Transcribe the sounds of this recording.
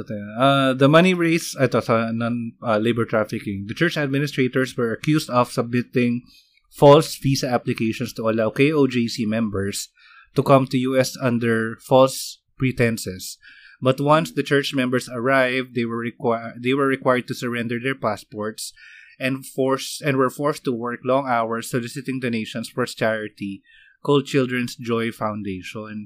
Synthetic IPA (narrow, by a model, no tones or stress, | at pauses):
t̪ad̪ɐmʌniɹeɪsat̪osɐnɔ̃nlejbəɹt̪ɹafɪkɪ̃ŋd̪ɐt͡ʃɛɹt͡ʃɐd̪̚mɪnɪst̪ɹet̪ɔɹswɛɹɐkjusd̪ɔv̥sɐb̚mɪt̪ɪ̃ŋ | fɔlsvisɐaplɪkeɪʃɔ̃nst̪ʊɐlawkejod͡ʒesimɛ̃mbɛɹs | t̪ukʌ̃mt̪ujuɛsɐ̃nd̪ɛɹfɔls | pɹit̪ɛ̃nsɛs | bɐt̪wʌ̃nsd̪ɐt͡ʃɛɹt͡ʃmɛ̃mbɛɹsɐɹajvd̪ewɛd̪ejwɛɹːɪkwajəɹd̪̚t̪usɛɹɛ̃nd̪ɛɹd̪ɛɹpaspɔɹt̪sʔɛ̃nfɔɹsɛ̃ndwɛɹfɔɹst̪uwɛɹklɔ̃ŋawɛɹstɔlɪsɪt̪ɪ̃ŋd̪ɨneɪʃɔ̃nsfɔɹst͡ʃɛɹɪt̪i | kold̪̚t͡ʃɪld̪ɹɛ̃nsd͡ʒɔjfawnd̪eɪʃɔ̃n